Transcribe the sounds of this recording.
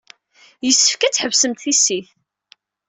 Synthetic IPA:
jəsːə̥fkæt͡sħəvsəmt̪θisːiθ

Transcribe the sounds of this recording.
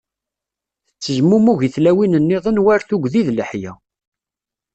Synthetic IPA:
θət͡sːəʒmumuʝiθlæwinənːiðˤənwæɾθuɡðiðləħjæ

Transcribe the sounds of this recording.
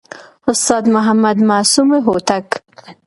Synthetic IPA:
hʊst̪ɑd̪mʊɦamad̪maːsumeɦot̪ak

